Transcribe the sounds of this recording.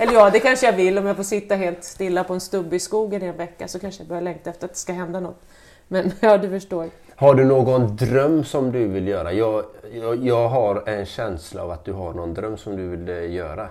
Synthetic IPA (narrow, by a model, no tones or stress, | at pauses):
ɛlːəɾjɑːd̪ɛkʰanʂəjɑvɪlːɔmjafoːɾʂɪt̪ːaɦeːlt̪st̪ɪlːapɔɛnst̪ɵbːəɪskuːɡənɪɛnvɛkːa̰sɔkʰanʂəjabœɾjalɛŋk̚t̪aɛft̪əɾat̪̚d̪ɛ̥skaɦɛnd̪anɔt̪ː | mɛnjɑːd̪ɵfœʂʈoːɾ | haɖɵnoːɡɔnd̪ɾœmːsɔmd̪ɵvɪljœːɾajɑːɡjɑːɡɦaɾɛnɕɛnsla̰ːvat̪̚d̪ɵɦaɳɔnd̪ɾœmːsɔmd̪ɵvɪljœːɾa